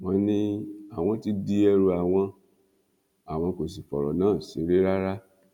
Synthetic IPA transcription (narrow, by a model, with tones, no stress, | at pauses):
m̃ɔ̃˧˦nĩ˦a˦˨w̃ɔ̃˧ti˦di˦ɛ˧ɾu˧a˨w̃ɔ̃˧ | a˦˨w̃ɔ̃˧ko˨s̬i˨fɔ˨ɾɔ˨nãː˦˨si˨˦ɾe˦ɾa˦ɾa˦